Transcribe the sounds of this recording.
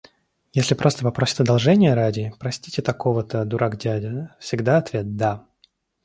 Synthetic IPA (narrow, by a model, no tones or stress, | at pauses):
jesʲlʲɪpɾʔo̞st̪əvɐpɾo̞sʲɪ̥t̪əd̪ɐlˠʐɛnʲɪjəɾadʲɪpɾɐsʲtʲitʲɪt̪ɐko̞vət̪əd̪ʊɾʔaɡdʲædʲəfsʲɪɡd̪aɐt̪vʲe̞t̪̚d̪a